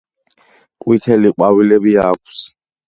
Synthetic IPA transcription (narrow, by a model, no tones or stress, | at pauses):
kʼwit̪ʰɛliqʼwavilɛbiaːk̚ʷʰs